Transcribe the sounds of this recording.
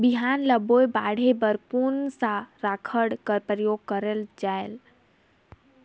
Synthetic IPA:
biɦanləbojbaɽ̤ebəɾpunsaɾakʰəɽkəɾpɾəjoɡ̚kəɾəld͡ʒael

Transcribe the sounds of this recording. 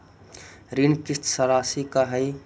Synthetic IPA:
ɾinkɪst̪səɾaːsikaɦəi

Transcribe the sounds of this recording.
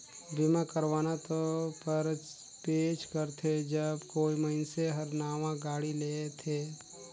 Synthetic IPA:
bɪmãkəɾwaːnat̪opəɾ | peːʃkəɾt̪ʰed͡ʒəbkoːiməɪnseɦəɾnaːʋãɡaːɽileːt̪ʰeː

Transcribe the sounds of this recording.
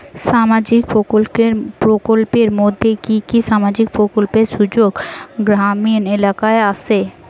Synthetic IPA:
ʃamad͡ʑikpokolpeɾpɾokolpeɾmod̪ʱːekikiʃamad͡ʑik̚pɾokolpeɾʃud͡ʑoɡɡɾaminelakaeasʰe

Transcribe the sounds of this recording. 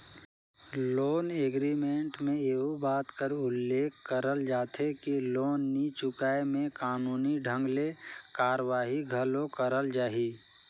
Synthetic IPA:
loːneːɡɾimẽɳʈmẽeːɦubaːt̪kəɾʊlːeːkʰkːəɾəld͡ʒaːt̪ʰɦekiloːnːit͡ʃʊkaːemẽkaːnuːniɖʱə̃ŋɡlekaːɾwaːɦiɡʱəlokəɾəld͡ʒaːɦiː

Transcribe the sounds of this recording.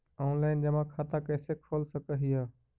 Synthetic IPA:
oːnlaːɪnd͡ʒəmãːkʰaːt̪ãkɛːsekʰoːlsəkəɦiaː

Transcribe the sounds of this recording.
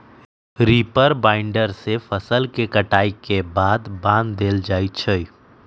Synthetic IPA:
ɾiːpəɾbãːɪɳɖəɾsefʰəsəlkekəʈaːikebaːd̪bãːnd̪d̪eːld͡ʒaːit͡ʃʰəi

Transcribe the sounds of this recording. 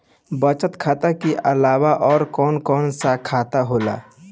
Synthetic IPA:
bət͡ʃət̪kʰaːt̪akeʔəlaːwaʔɔːɾkɔːnkɔːnsakʰaːt̪aɦoːla̰ː

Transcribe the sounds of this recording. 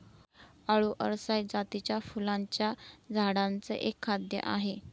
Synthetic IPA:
aɭuːʔə̰ɾsajd͡zat̪it͡ɕjafulaɲt͡ɕjad͡zʱaɽãnt͡sə̰ʔekʰːad̪jə̰ʔaɦe

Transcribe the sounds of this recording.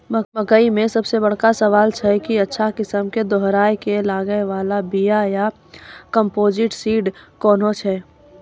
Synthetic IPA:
məkəimẽsɐbsebəɽ̤kasəʋaːlt͡ʃʰɛkiɐtːʃʰakɪsəmked̪ɔɦɾaːjkelaːɡəeʋaːlabijaja | kəmpoːd͡ʒɪʈsiːɖkɔːnɦot͡ʃʰɛ

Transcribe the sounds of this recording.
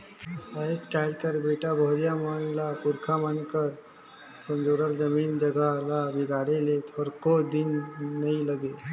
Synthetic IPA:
aeskaːlkəɾbeːʈabʱoːɾijamanlapʊɾkʰamənkəɾ | sə̃md͡ʒoːɽəɾd͡ʒəmiːnd͡ʒəɡalabɪɡʱaːɽelet̪ɔːɾkod̪ɪnːəĩləɡe

